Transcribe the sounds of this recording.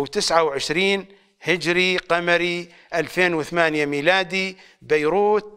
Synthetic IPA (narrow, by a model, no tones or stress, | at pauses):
wt̪ɪsʕawʕɪʃɾiːn | hɪd͡ʒɾiqamɾi | ʔalfeːnwɪθamaːnjamiːlaːd̪i | bajɾuːt̪̚